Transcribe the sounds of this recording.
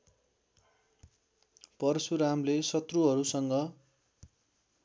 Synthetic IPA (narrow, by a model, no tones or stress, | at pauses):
pʌrsuɾamlesʌt̪ruɦʌɾusʌŋɡʌ